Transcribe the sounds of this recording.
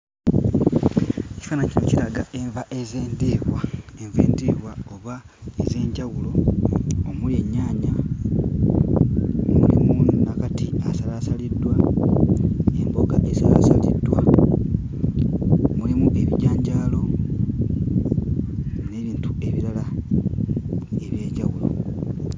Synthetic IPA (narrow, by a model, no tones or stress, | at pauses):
eci̥faːnaɲcinociɾaɡaʔe̞ɱvaʔe̞zeːndiːβwaeɱve̞̰ːndiβwao̞βa | e̞ze̞ːɲɟawulo̞ | omulie̞ɲːaːɲa | mṵlḭmunakatiasalasalidːwa | e̞mbo̞ɡaʔe̞sala̰salḭdwa | mulimuʔe̞βiɟaːɲɟaːlo̞ | ne̞ːβiːntue̞βiɾala | e̞βje̞ːɲɟaɣulo̞̰